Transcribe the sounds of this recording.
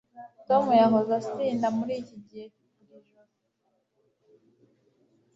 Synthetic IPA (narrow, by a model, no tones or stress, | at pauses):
tomujaŋɡozastiːndamuɾiːciɟihe | uɾiʒu